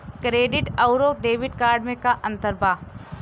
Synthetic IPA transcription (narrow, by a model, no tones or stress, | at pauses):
kɾeːɖɪʈɐʊɾoːk̚ɖeːʋɪɖkaːɾɖmẽkaʔɐ̃nt̪əɾbʱaː